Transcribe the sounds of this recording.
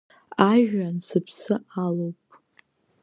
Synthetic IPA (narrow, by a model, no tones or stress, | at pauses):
aʒᶣansɨpʰsɨalowpʼ